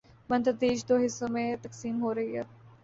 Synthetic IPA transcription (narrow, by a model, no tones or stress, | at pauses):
mɐ̃nt̪ɾd̪eːʃd̪oːɦɪsːomẽt̪ɐksiːmɦoɾɐɦiɦɛː